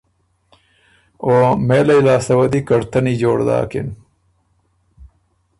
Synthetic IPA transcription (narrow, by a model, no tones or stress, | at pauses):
oːmeːlɐilaːsɐwɐd̪ikɐɽt̪ɐnid͡ʑoːɽd̪a̰ːkḭn